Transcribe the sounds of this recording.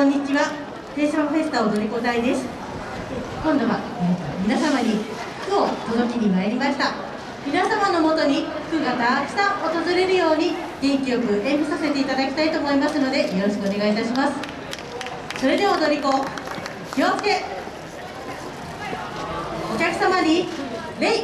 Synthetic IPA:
kõɲ̟ːit͡ɕiβa | t̪e̞ːɕõɸe̞sɨ̥t̪aod̪o̞ɾʲiko̞t̪aid̪e̞sɨ̥ | kõ̞nd̪o̞βa | ekmʲinasamaɲ̟i | kɯ̟ot̪o̞d̪o̞k̬ʲiɲ̟imaeɾʲimaɕi̥t̪a | mʲinasamanːomo̞t̪o̞ɲ̟ikɯ̟ɡat̪aksãʔot̪o̞zɨɾe̞ɾɯ̟jo̞ːɲ̟i | d͡ʑẽŋkʲiokɯ̟ʔẽ̞hisase̞t̪e̞it̪ad̪akʲi̥t̪ait̪o̞ːmo̞imasɨno̞d̪e̞jo̞ɾo̞ɕ̬i̥kɯone̞ɡait̪aɕimasɨ̥ | so̞ɾe̞d̪e̞βad̪o̞ɾʲiko̞ | kiot͡ske̞ | o̞kʲakɯ̟̥samaɲi | ɾei

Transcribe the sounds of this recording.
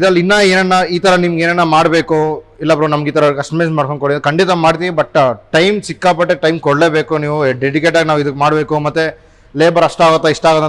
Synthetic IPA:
id̪ɐlːinːɐeːnɐnːaiːt̪ɐɾɐnimɐɡeːnɛnːamaːɽbeːkuilːɐpɾɐnɐmɐɡiːt̪ɐɾɐkɐsʈɐmesmaːɽkoɳkoɽikɐɳɖit̪ɐmaːɽt̪̬iʋibɐʈːʈɐjmsikːaːpɐʈːeʈɐjmkɔɽle̞ːbeːkuniːʋuɖeɖikeʈ̬aːɡinaːʋuid̪ukːmaːɽbeːkumɐt̪ːe | leːbɐɾɐʂʈaːɡot̪ːɐiʂʈaːɡot̪ːɐ

